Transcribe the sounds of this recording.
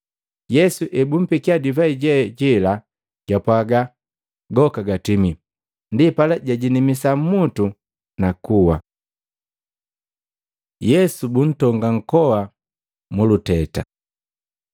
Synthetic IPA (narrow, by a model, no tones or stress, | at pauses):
jɛsuʔɛbum̩pikiadivaiɟɛɟɛla | ɟ̥apwaɡa | ɡɔkaɡatimi | ndipalaɟaɟinimisam̩mutu | nakuwa | jɛsubun̩tɔŋɡaŋ̩kɔwa | mulutɛta